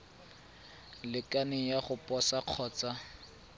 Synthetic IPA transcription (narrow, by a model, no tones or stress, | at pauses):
lɪkanɪjaχʊpʼɔsaq͡χʰɔːt͡sa